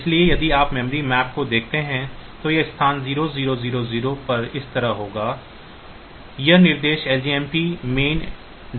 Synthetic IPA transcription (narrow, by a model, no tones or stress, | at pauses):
ɪsliejɐd̪iaːpmɛ̃mɾimɛːpkod̪eːk̚ʰt̪eɦɛ̃t̪ojeɪst̪ʰaːnziːɾoziːɾoziːɾoziːɾopɐɾɪst̪ɐɾəɦɦoːɡaː | jɐnɪɾd̪eːʃɛːld͡ʒiːɛːmpimeːn